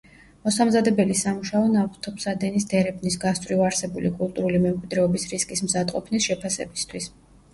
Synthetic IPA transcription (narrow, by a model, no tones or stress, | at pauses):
mɔsamzad̪ɛbɛlisamuʃaɔnavχt̪ʰɔpsad̪ɛnisd̪̥ɛɾɛpʰnisɡast̪ʼvɾivaɾsɛbulikʼulˠt̪ʼuɾulimɛmkʼwid̪ɾɛɔbisɾiskʼismzad̪qʼɔ̰pʰnisʃɛpʰasɛ̰bist̪ʰwis